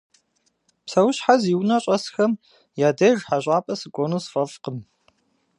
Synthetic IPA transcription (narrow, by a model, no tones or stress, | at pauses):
psɐwʊɕħaziwnɐɕʼɐsxɐm | jaːdɐʒħaʑʷʼaːpʼɐsɨkʷʼonuːsfɐfqəm